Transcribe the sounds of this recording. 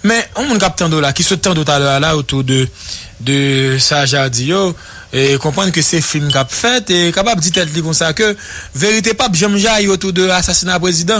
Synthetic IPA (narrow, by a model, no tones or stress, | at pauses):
mɛ̃ũmũnkap̚t̪ãd̪olakisut̪ːãt̪̬ot̪̬alœalaot̪ud̪ød̪øsaʒad͡zijo | ekɔ̃pʁãnkəsɛfinkapfɛt̪ekapab̚d͡zit̪ɛt̪̬likɔ̃sakøveʁit̪̬epapʒãmʒaiot̪ud̪øasasinapʁezid̪ɑ̃